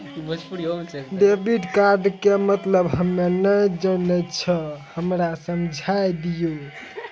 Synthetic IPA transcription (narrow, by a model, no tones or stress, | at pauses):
ɖebiɖkaɾɖkemət̪ləbɦəmːenəjd͡ʒənət͡ʃʰəhəmɾasəmd͡ʒʱajd̪iju